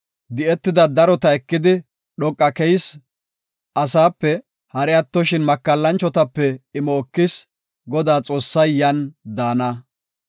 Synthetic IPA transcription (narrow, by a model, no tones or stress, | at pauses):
d̪ɪɛt̪ːɪd̪ɐd̪ɐɾɔt̪ɐɛkːɪd̪ɪ | ɗɔkʼːɐkɛjs | ʔɐsaːpːɛ | hɐɾɛɐt̪ːɔʃɪnmɐkːɐlːɐnt͡ʃːɔt̪ɐpːɛɪmɔːkːɪs | ɡɔd̪aːt͡sʼo̞ːsːɐjːɐnd̪aːnɐ